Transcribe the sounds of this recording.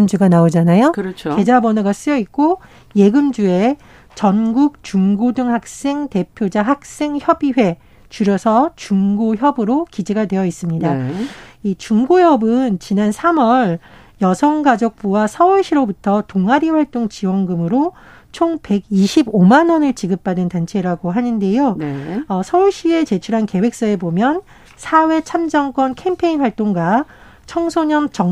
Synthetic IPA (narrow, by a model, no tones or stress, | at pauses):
md͡ʑuɡanaod͡ʑanajokɯɾʌt͡ɕʰke̞d͡ʑabʌnɯɡas͈ɯjʌik̚k͈o | je̞ɡɯmd͡ʑue̞ | t͡ɕʌnɡuk̚t͡ɕuŋɡodɯŋhak̚s͈e̞ŋte̞pʰjod͡ʑaɦak̚s͈e̞ŋçjʌbiɸwe̞ | t͡ɕuɾjʌsʰʌt͡ɕuŋɡoçjʌbɯɾokid͡ʑeɡadwe̞jʌis͈ɯmɲida | it͡ɕuŋɡojʌbɯnt͡ɕinansʰamʌɭ | jʌsʰʌŋɡad͡ʑʌk̚p͈uwasʰʌuɭɕ͈iɾobutʰʌtoŋɦaɾiɸwaɭt͈oŋt͡ɕiwʌnɡɯmɯɾo | t͡ɕʰoŋpe̞ɡiɕʰibomanʌnɯɭt͡ɕiɡɯp̚p͈adɯntant͡ɕʰe̞ɾaɡoɦanɯnde̞joʌsʰʌuɭɕ͈ie̞t͡ɕe̞t͡ɕʰuɾɦanke̞we̞k̚s͈ʌe̞bomjʌn | sʰawe̞t͡ɕʰamd͡ʑʌŋk͈wʌnkʰe̞mpʰe̞inɸwaɭt͈oŋɡa | t͡ɕʰʌŋsʰoɲʌnt͡ɕʌ